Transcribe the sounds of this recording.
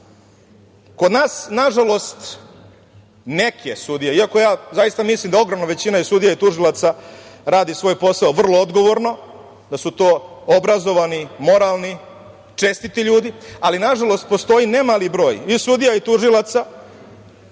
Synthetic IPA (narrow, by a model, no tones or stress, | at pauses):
ko̞d̪naːsnaʒalo̞st̪ | nekesud̪ijaiako̞jaːzajist̪amislimd̪ao̞ɡɾomnaʋe̞t͡ɕinaisud̪ijait̪uʐilat̪saɾaːd̪isʋo̞ːjpo̞saoʋr̩lˠood̪ɡo̞ʋo̞ɾno̞ | d̪asut̪o̞ːobɾazo̞ʋanimo̞ɾalˠni | t͡ʂest̪it̪iʎuːd̪ialinaʐalo̞st̪̚post̪o̞inemalibɾo̞ːjisud̪ijait̪uʐilˠat̪sa